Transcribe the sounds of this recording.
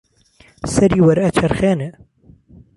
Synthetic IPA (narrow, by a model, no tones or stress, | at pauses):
sɐɾiːwɐɾɐt͡ʃʰɐɾxeːnɛ